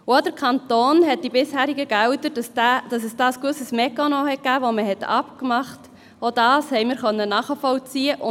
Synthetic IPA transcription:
wadəɾkʰɑntoːnɦɛt̚d̥ibɪshæːɾiɡəɡ̥ɛwdədɑsdæd̥ɑsəsd̥ɑːskəsəsmɛkɑnohɛt̚ɡ̥æːʋoməɦɛtʰɑ̰pkmɑχt | od̥ɑːshɛɪmɪɾχœnːənɑːχəfɔwt͡siəʔʊ

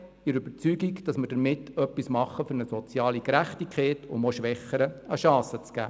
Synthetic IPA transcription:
ɪɾʏb̥əɾt͡syɡikd̥ɑsməɾd̥əɾmɪtœpːismɑχːəfʏɾnəsɔt͡sjɑːlikɾæχtikʰχɛːtʊmoʃʋɛχːəɾəəʃɑ̃ːsət͡sɡ̥æ̰ː

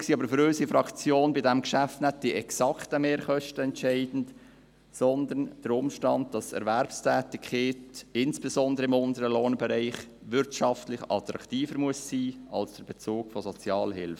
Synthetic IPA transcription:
ksiːɑbəɾfʏɾøsifɾɑkt͡sjoːnbɪdɛmkʃæftnɛt̚d̥iɛksɑktəmeːɾχœʃtəɛntʃɛɪdn̩t | sɔnd̪ənd̥əɾʊmʃtɑnd̚d̥ɑsɛ̰ɾʋæɾpstʰæːtikχeːtɪnsb̥esɔndəɾəɪmʊnd̪əɾəloːnbɛɾɛɪχ | ʋʏɾtʃɑftlɪχɑ̰t̪ɾɑ̰kʰtiːfəɾmuəssiːɑ̰lsd̥əɾbɛt͡suːɡ̥fɔsɔt͡sjɑːlhɪ̰lfə

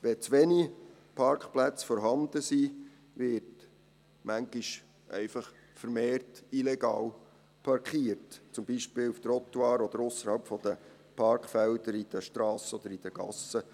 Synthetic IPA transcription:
ʋɛt͡sʋeni | pʰɑɾkχplæt͡sfɔɾɦɑnd̪əsi | ʋɪɾt | mæŋɡ̥iʃ | ʔɛ̰ɪfɑχ | fəɾmeːrtilɛɡ̥ɑːl | pʰɑɾkʰiːəɾtt͡sʊmbiʃpɪːluft̪əɾɔt̪wɑːɾɔd̥̪əɾʊsːəɾhɑlpfɔd̥̪ə | pʰɑɾkχfɛld̥̪əɾid̥əʃtɾɑːsəɔd̪əɾid̥əɡ̥ɑ̰sə

